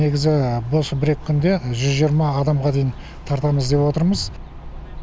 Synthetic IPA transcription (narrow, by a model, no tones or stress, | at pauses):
e̞ɡʲɪzɪbosəbɪɾe̞kʲʰːʏnd̪e̞ʒʏzʒijəɾmɑːd̪ɑmʁɑd̪e̞jɪn | t̪ʰɑɾt̪ɑməzd̪e̞pwo̞t̪əɾməz